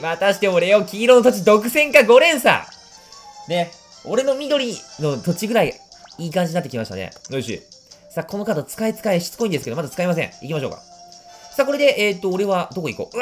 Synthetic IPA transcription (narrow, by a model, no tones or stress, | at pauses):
mat̪aɕi̥t̪eoɾejokʲiːɾo̞no̞t̪ot͡ɕid̪o̞kɯ̟sẽ̞ŋkaɡo̞ɾẽ̞ɰ̃sa̰ | ne̞ | o̞ɾe̞no̞mʲid̪o̞ɾʲino̞t̪o̞t͡ɕiɡɯ̟ɾaiiːkãɲ̟d͡ʑinat̪ːekʲimaɕi̥ta̰nḛnoɕḭsako̞nokat̪ot͡sɨ̥kait͡sɨ̥kaeɕi̥t͡sɨ̥ko̞ĩd̪esked̪mat̪at͡sɨ̥kaimas̬ẽɴ̃ikʲimaɕo̞ːka̰sako̞ɾe̞d̪e̞ʔeːt̪ːo̞ːɾe̞βad̪o̞koiko̰